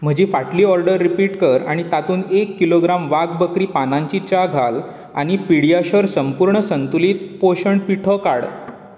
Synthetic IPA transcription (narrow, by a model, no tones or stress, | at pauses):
m̤əd͡ʑefaʈliːɔɾɖəɾːipiːʈkəɾa̰ɽ̃it̪at̪uːnekːiloɡɾamʋaɡ̚bəkɾiːpanãɲt͡ɕit͡ɕaɡʱal | a̰ɽ̃ipiɽijaɕəɾsəmpuɾɳəsənt̪ulit̪̚poɕəɳpiʈʰəkaɽ